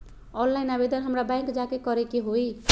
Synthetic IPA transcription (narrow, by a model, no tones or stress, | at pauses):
ɔnlaɪnabed̪ənɦəmɾabãŋkd͡ʒakekʌɾekeɦoi